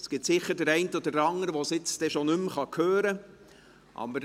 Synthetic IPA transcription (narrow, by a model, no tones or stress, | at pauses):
sɡ̥ɪtsɪχːəɾdəɾæɪntəodəɾɑŋəɾəʋosɪt͡stɛʃonʏmχɑkʰøːɾə | ʔɑ̰bəɾ